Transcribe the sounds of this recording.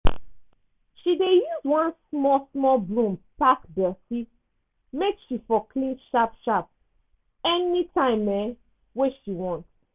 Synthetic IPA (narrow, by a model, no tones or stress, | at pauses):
ʃidejuzwãnsmɔsmɔlblũmpakdɛsit | mekʃifɔkʰlĩnʃapʃap̚ | ɛnitʰãɪ̃mɛ | weʃiwɔ̃nts